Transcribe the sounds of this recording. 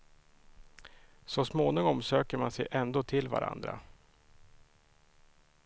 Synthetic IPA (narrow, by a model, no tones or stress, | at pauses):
sɔsmoːnɪŋɔmsøːkəɾmansɛjʔɛnd̪oːt̪ʰɪlva̰ɾʔa̰nd̪ɾa̰